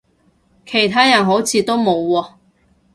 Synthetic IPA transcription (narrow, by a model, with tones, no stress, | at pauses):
kʰe˨˩jt̪ʰaː˥jɐ˨˩nɦo˨˥wt͡sʰiː˨˧t̪o˥wmo˨˧wwɔː˧